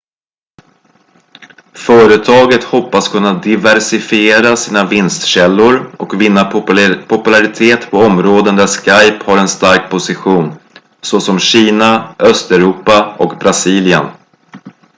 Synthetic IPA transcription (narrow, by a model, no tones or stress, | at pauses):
fœːɾət̪ʰɑːɡət̪hɔpːaskʰɵnːad̪ɪvæɾsɪfɪeːɾasiːnavɪnst̪ɕɛlːʊɾɔkvɪnːapʰʊpɵlaɾɪt̪ʰeːt̪pʰɔɔmɾoːd̪ənd̪æʂkajphaɾɛnst̪aɾk̚pʰʊsɪɧuːn | sɔsɔmɕiːnaœst̪ɛɾuːpaɔkbɾasiːljə̰n